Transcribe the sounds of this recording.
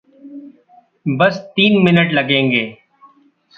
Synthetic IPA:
bəst̪iːnmɪnəʈləɡẽːŋɡeː

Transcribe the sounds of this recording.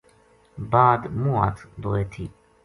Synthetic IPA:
baːd̪mua̰t̪ʰd̪oet̪ʰi

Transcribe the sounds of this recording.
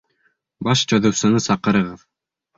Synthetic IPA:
bɑʃt͡ɕŏðɤ̆wsɤ̆nɤsɑqɤ̆ɾɤ̆ʁɤð

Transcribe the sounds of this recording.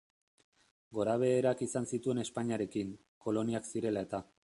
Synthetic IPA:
ɡo̞ɾaβ̞e̞ːɾakisansit̪ue̞ne̞spaɲiaɾe̞kiŋ | ko̞lo̞niaksiɾe̞lae̞t̪a

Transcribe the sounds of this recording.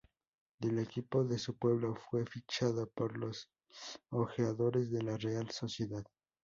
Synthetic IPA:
d̪ele̞kipo̞ðe̞supwe̞βlofwe̞fit͡ʃaðopoɾlo̞s | oxeaðo̞ɾe̞zðe̞larealso̞sje̞ðað

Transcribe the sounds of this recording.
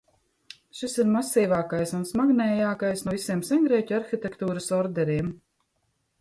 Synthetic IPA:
ʃisiɾmasiːvaːkajsunsmaɡnɛːjaːkajsnuɔvisiɛmsɛŋɡɾɛːcʲuaɾxit̪ʲekt̪uːɾasɔɾd̪ɛɾiɛm

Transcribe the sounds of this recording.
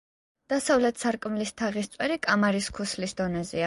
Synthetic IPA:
d̪̥asavlɛt̪ʰsaɾkʼmilist̪ʰaʁist̪sʼwɛɾikʼamaɾiskʰuslisd̪ɔnɛzɛa

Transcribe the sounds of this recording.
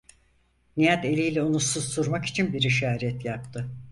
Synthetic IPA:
nijat̪e̞lʲijlʲɛunusuz̥suɾmaki̥t͡ʃʰinbiɾiʃaːɾɛt̪jap̚t̪ʰɯ

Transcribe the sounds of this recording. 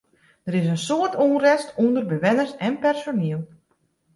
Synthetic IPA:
d̥əɾɪs̬ənsoərtʰuːnrɛstundərbəʋɛnərsɛnpɛrsoniəlˠ

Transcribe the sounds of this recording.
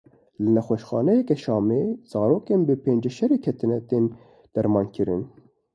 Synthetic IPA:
lɨnɛxʷɛʃxɑːnɛjɛkɛʃɑːmeːz̥ɑːɾoːkeːnbɨpʰeːnd͡ʒɛʃɛɾeːkʰɛt̪ɨnɛt̪eːn | d̪̥ɛɾmɑːnkɨɾɨ̰n

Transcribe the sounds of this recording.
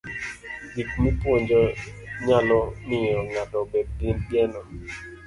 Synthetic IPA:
dikmipwɔɲd͡ʒɔɲalɔmɪɔŋatɔbɛd̚dinbjɛnɔ

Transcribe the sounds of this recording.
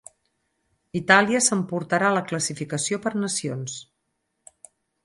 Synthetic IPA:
it̪aliəsəmpuɾt̪əɾaləkləsifikəsiopəɾnəsions

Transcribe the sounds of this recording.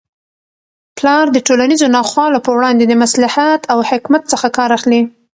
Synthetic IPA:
plɑɾd̪əʈolanizonɑxwɑlopəwɽɑnd̪ed̪əmaslahat̪ʰawhɪkmat̪t͡səxakɑɾaxli

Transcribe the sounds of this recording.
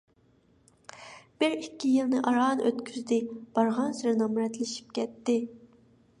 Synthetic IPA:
b̥ɪɾikʲːijilˠnɨʔɑɾɑːnøt̪kʲʰyzd̪ɪb̥ɑɾʁɑnsyɾɪnɑmɾɛt̪lɪʃi̥p̚kʲʰɛt̪ːɪ

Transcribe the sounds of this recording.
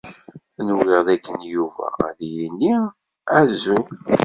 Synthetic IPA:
nuwiʁðækːənjuvæ̰ðiɾinːi | æzu

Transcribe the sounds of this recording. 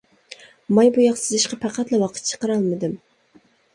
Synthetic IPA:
mɑjbujɑqsɨzɪʃqɑpʰæqʰæt̪lɛwɑqʰə̥t̪̚t͡ʃʰə̥qəɾɑlˠmɨd̪ɨm

